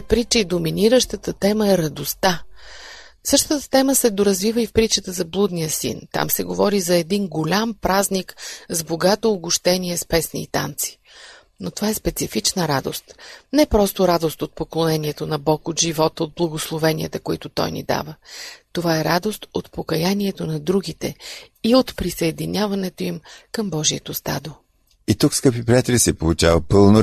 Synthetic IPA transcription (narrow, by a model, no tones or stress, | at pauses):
pɾit͡ʃəid̪ominiɾəʃt̪ət̪ət̪ɛməɛɾɐd̪ost̪a | sɤʃt̪ət̪ə̥t̪ɛməsɛd̪oɾɐzvivəifpɾit͡ʃət̪əzɐblˠud̪nijəsḭnt̪a̰msɛɡovɔɾizɐɛd̪inɡolʲampɾaznikzboɡat̪oːɡʊʃt̪ɛniɛspɛsnḭːt̪a̰nt̪si̥ | not̪ovaɛspɛt̪sifit͡ʃnəɾad̪o̰st̪nɛpɾɔst̪oɾad̪ost̪ot̪̚poklˠonɛnʲiɛt̪onɐbɔkot̪ʒivɔt̪od̪̚blˠɐɡoslˠovɛniə̰t̪ɐkoit̪ʊt̪ɔ̰jnḭd̪a̰vət̪ovaɛɾad̪ost̪ot̪pokɐjaniɛt̪onɐd̪ɾuɡit̪ɛiot̪pɾisɐɛd̪inʲjavɐnɛt̪oimkɐmbɔʒiət̪ost̪a̰d̪o | it̪ukskɤpipɾiat̪ɛlisɛpolˠut͡ʃavəpɤlˠno